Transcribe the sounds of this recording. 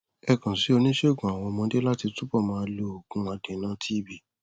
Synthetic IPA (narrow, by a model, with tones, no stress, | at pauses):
ɛ˧kã˨si˨˦o˧nĩ˦ʃe˦o˨ɡũ˨a˨w̃ɔ̃˧mɔ̃˧˦de˦la˦ti˧tu˦bɔ˦˨mãː˦a˧lo˨o˨ɡũ˦a˧dẽ˨˦nã˦tʰi˦˨bi˨